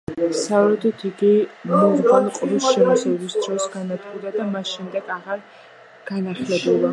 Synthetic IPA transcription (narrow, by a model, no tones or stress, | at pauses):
savɾɛd̪ɔt̪ʰiɡimɔvɡalɔqʼɔbisʃɛmɔsɛbɛbisd̪ɾɔsɡanat̪ɡʼɔd̪ad̪amasʃɛmd̪ɛɡaʁaɾ | ɡ̥anaχlɛbulˠi